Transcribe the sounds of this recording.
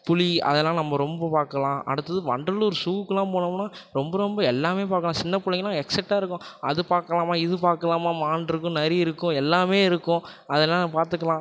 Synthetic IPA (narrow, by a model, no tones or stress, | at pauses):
pʊliɐ̰ðɛlːãːnɐmːɐɾɔmbɐpaːɾkɐlãːʔɐ̰ɽɯt̪ːɐðɯʋɐɳɖɐlɔɾɯsuːʋɯkːɯlãːpoːnɐmnːaːɾɔmbɐɾɔmbɐɛlːaːmeːpaːɾkːɐlãːsɪnːɐpʊlɪŋɡɐlãːɛksɛʈːaːɪɾɯkːʊ̃ɐðɯpaːɾkɐlaːmaːɪðɯpaːɾkɐlaːmaːmaːɳɖɪɾɯkːʊ̃nɛɾɪɪɾɯkːʊ̃ɛlːaːmeːɪɾɯkːʊ̃ | ɐðɛlːãːnpaːɾt̪ɯkːɐlãː